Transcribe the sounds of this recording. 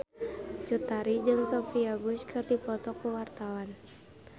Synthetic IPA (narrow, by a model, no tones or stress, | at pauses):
t͡ʃut̪aɾid͡ʒɨŋsɔfiaɡʊskʰɨrdipɔt̪ɔpəwart̪awan